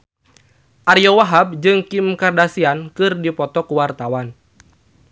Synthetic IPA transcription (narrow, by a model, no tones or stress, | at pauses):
ʔarjɔwaɦab̚d͡ʒɨŋkimkardasiankɨrdipɔt̪ɔkuwart̪awan